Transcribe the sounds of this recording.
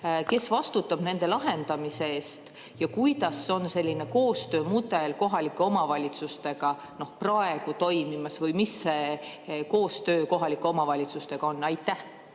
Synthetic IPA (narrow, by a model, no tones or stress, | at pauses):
ke̞svɑst̪ut̪ːˑɑb̥ne̞nd̪̥e̞lɑɦe̞nd̪̥ɑmise̞eːst̪ | jɑkujd̪̥ɑsːo̞nse̞lʲːine̞ko̞ːst̪ø̞ːmud̪e̞lko̞ɦɑlikːˑe̞o̞mɑvɑlʲit̪sust̪e̞ɡ̥ɑ | no̞hprɑe̞ɡ̥ut̪o̞jmimɑsvɯjmisːe̞ko̞ːst̪ø̞ːko̞ɦɑlikːˑeo̞mɑvɑlʲit̪sust̪e̞ɡ̥ɑo̞nːɑjt̪ːˑæh